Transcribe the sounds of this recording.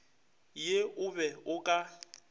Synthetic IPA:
jeʊβɛʊkʼa

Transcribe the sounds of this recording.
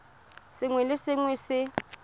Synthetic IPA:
sɪŋwɛlɪsɪŋwɛsɪ

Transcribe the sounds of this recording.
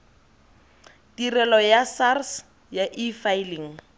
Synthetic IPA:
tirɛlɔjasars | jaʔifailiŋ̩

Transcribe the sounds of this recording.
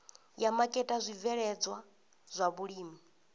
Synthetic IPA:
jamakʼɛtʼazʷivɛɺɛd͡zwa | z̥ʷaβuɺiːmi

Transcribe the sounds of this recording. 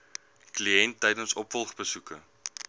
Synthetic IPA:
kliɛntːɛjdənsɔpfɔlˠχbəsukə̰

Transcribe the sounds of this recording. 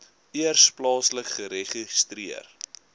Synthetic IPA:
iərsplɑːsləkχəɾeχistriər

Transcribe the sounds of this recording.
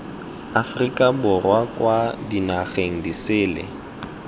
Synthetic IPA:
afrikʼabʊrwakʼwadinaɣeŋ̩disɪːlḛ

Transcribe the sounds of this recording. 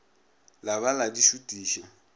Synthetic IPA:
laβaladiʃutʼiːʃɔ

